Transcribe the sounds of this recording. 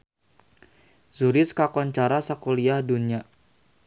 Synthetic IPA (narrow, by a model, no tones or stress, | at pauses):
zuɾɪskakɔɲt͡ʃaɾasakoliahdunia